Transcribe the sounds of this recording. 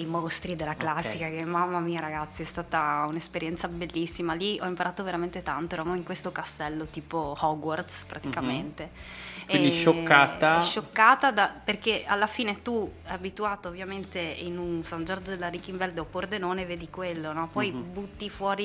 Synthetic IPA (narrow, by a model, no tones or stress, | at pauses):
ejmost̪ɾid̪elːaklasːikak̟emamːamiːaɾaɡat̪sːiɛst̪aːt̪aunespeɾjɛnt̪sabelːisːimaliɔimpaɾʔaːt̪oveɾament̪et̪ant̪oɛɾomajiŋkwest̪okast̪ɛlːot̪iːpohɔɡward̪spɾʔat̪ikament̪eɛind̪iʃokːaːt̪aʃʃokːaːt̪ad̪aperkealːafiːnet̪uɛabit̪uaːt̪oːvːjament̪einunsand͡ʒɔrd͡ʒod̪elːaɾikːiɱvɛld̪eopord̪enoːneveːd̪ikwelːonɔpɔjbut̪ːifwɔːɾi